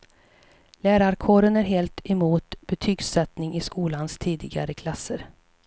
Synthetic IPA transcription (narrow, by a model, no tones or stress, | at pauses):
læːɾaɾkʰoːɾənæɾɦeːlt̪ɛmuːt̪b̥ɛt̪ʰyːɡsɛt̪nɪŋɪskuːlanst̪ʰiːd̪ɪɡa̰ɾəkʰlasːəɾ